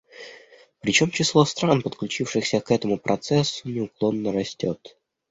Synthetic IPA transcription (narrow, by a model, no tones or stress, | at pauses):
pɾʲɪt͡ɕo̞mt͡ɕɪslˠo̞st̪ɾanpət̪klʲʉt͡ɕifʂɨxsʲəkɛt̪əmʊpɾʔɐt̪sɛsːʊnʲɪʊklˠo̞nːəɾɐsʲtʲo̞t̪